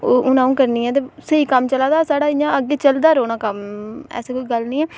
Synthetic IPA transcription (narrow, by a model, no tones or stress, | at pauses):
oːʊnãːũːkəɾniːɛːt̪̬eːsəiːkəmt͡ʃəlaːd̪aːsaːɽaːɪjãːəɡeːt͡ʃəld̪aːɾoːnãːkəmɛ̰ːseːkoiːɡəlnĩːɛː